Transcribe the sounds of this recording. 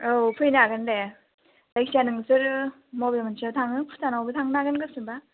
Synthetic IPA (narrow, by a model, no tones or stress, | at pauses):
opʰɯjnaɡɯnde | dajk̚sanɯŋsɯɾ | mɔbmɯnsʰatʰaŋɯpʰu̥tʰanawbɯtʰaŋnaɡɯnɡɯsɯnba